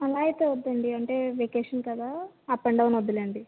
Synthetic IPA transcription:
ɐlaːjit̪eːʋɐd̪ːɐɳɖiɐɳʈe̞ːʋeːkeːʂɐnkɐd̪aː | ɐpːɐɳɖɐʋunɐd̪ːilɐɳɖi

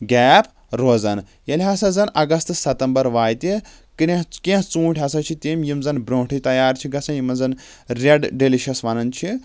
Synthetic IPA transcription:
ɡʲɛːpʰ | ɾoːzɐn | jɐlʲɦɐsɐzɐnʔɐɡɐst̪sɐt̪ɐmbɐɾʋaːjt̪ʲi | kiɾʲẽɦkẽɦt͡sũːʈʰʲɦɐsɐt͡ʃʰit̪eːmʲjimzɐnbɾoːʈʰit̪ɐjaːɾt͡ʃʰiɡɐsʰɐ̃jimɐzɐn | ɾʲeɖɖeliʃɐsʋɐnɐnt͡ʃʰi

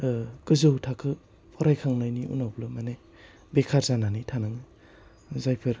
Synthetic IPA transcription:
kɯzɯwtʰakʰɯ | pʰɔɾajkʰaŋlajniṵnawblɯmane | bekʰaɾzananitʰanaŋɯ | zajpʰɯɾ

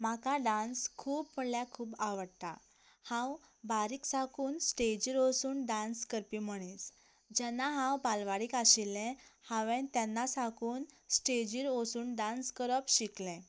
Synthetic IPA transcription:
makaɖãnskʰuːpbpəɽljakʰuːpaʋəɽt̪a | hãwbaɾiːksakuːnsʈed͡ʑiɾosuːnɖãnskəɾpim̤əɽ̃is | d͡ʑɛnːaɦãwpalʋaɽiːkaɕilɛ̃haʋẽt̪janːasakuːnsʈed͡ʑiɾosuːnɖãnskəɾəpɕiklɛ̃

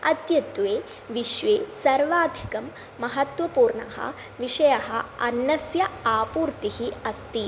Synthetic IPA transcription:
ɐt̪jɐt̪ʋeː | ʋiʃʋeːsɐɾʋaːd̪ʱikɐmː | ɐɦɐt̪ʋɐpuːɾɳɐ̰ɦɐ̰ | ʋiʂɐjɐɦɐ̰ɐnːɐsjɐaːpuːɾt̪ihiɐst̪i

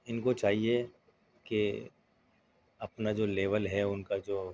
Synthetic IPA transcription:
ɪnkot͡ʃaːɦie | ke | ɐpnad͡ʒoːleːʋəlɦɛʊnkad͡ʒoː

